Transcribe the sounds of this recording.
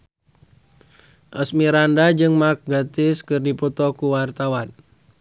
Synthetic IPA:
ʔəsmiɾandad͡ʒɨŋmak̚ɡat̪ɪskɨrdipɔt̪ɔkuwart̪awan

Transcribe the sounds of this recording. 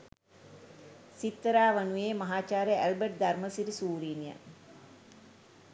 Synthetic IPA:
sit̪ːəɾaːʋənujeːmɐɦaːt͡ʃaːɾəælbəʈ̚d̪arməsiɾisuːɾiːnijə̰

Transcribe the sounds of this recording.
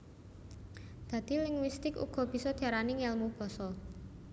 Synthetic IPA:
d̪̥ä̤d̪̥ilɪŋwist̪ɪkṵɡ̥ɔ̤b̥i̤sɔd̪̥aɾanɪŋɛlmub̥ɔ̤sɔl

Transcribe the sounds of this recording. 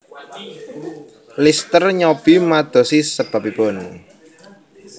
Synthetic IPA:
list̪ərɲɔb̥imad̪̥ɔ̤sisəb̥abib̥ɔn

